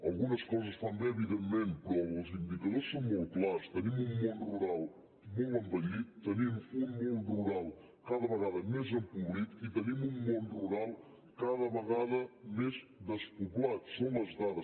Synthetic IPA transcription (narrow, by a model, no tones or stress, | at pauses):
alˠɣumɐʃkojzɐʃt̪ɐ̃ñd̪eβiðẽmẽnt̪̚pɾɔvɐzĩd̪ikɐðoɾsɐ̃w̃molklˠaɾʃt̪ɐnĩmũmõnd̪uruɾalˠ | mõwɐ̃mpɐɲiðut̪ɐnimuũmõnd̪uruɾalˠ | kaðɐβɐɣaðɐmezẽmpuβlˠikuit̪ɐnimũmõnd̪uruɾalˠ | kaðɐβɐɣaðɐmeʃd̪ɐʃpupulaɾsɐ̃w̃ɐzðaðɐ